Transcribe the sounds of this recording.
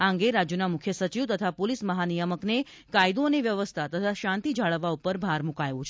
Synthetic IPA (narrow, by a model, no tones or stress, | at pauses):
ãŋɡeɾad͡ʒjunamukʰjəsət͡ʃiʋt̪ət̪ʰapolisməɦanijəməkne | kajd̪oəneʋjəʋəst̪ʰat̪ət̪ʰaʃãnt̪id͡ʒʱaɭəʋːaupəɾbʱaɾmukajʋũt͡ʃʰ